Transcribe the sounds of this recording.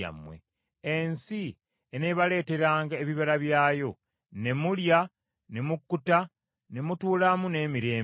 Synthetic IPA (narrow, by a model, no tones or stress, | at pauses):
a̰mwḛ | ensi | eneβale̞ːte̞ɾaːŋɡaeβiβaɾaβjaːjo̞ | ne̞mulja | ne̞mukːuta | ne̞mutuːlamune̞ːmiɾe̞ː